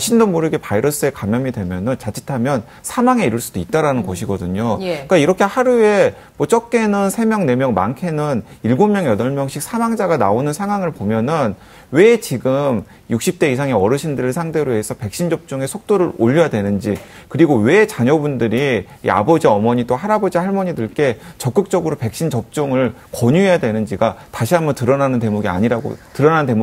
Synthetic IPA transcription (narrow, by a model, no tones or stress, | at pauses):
ɕʰindomoɾɯɡe̞paiɾʌs͈ɯe̞kamjʌmidwe̞mjʌnɯnt͡ɕad͡ʑʰitʰamjʌn | sʰamaŋe̞iɾuɭs͈ud̥oit̚t͈aɾanɯnɡʌɕʰiɡʌdɯɲok͈aiɾʌkʰehaɾue̞ | mwʌt͡ɕ͈ʌk͈e̞nɯnsʰe̞mjʌŋne̞mjʌŋma̰nkʰe̞nɯniɭɡomːjʌŋjʌdʌɭmjʌŋɕʰik̚sʰamaŋd͡ʑaɡana̰onɯnsʰaŋɦwaŋɯɭpomjʌnɯn | we̞t͡ɕiɡɯm | juk̚ɕ͈ip̚t͈e̞is̬ʰaŋe̞ʌɾɯɕʰindɯɾɯɭsʰaŋdʰe̞ɾoɦe̞sʰʌpe̞k̚ɕ͈ind͡ʑʌp̚t͡ɕ͈uŋe̞sʰok̚t͈oɾɯɾoʎːʌjadwe̞nɯnd͡ʑi | kɯɾiɡowe̞t͡ɕaɲʌbundɯɾḭː | a̰bʌd͡ʑiʌmʌɲit͈ohaɾabod͡ʑihaɭmʌɲidɯɭk͈e̞t͡ɕʌk͈ɯk̚t͡ɕ͈ʌɡɯɾope̞k̚ɕ͈ind͡ʑʌp̚t͡ɕ͈oŋɯɭ | kʌɲuɦe̞jadwe̞nɯnd͡ʑiɡataɕʰiamʌtɯɾʌnanɯnte̞muɡia̰ɲiɾaɡo̰tɯɾʌnante̞m